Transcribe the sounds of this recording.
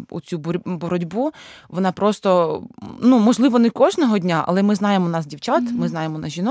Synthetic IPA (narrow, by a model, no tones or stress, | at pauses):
ṵt͡sʲubɾʲbɔɾɔdʲbuʋɔnɑpɾɔst̪ɔnumɔʒlˠɪʋɔnɛkɔʒnɔɦɔdʲnʲaʔɐ̰lˠɛmɪznɑjemɔnɑsdʲiwt͡ʃɑt̪mɪznɑjemɔnɑsʒʲinɔ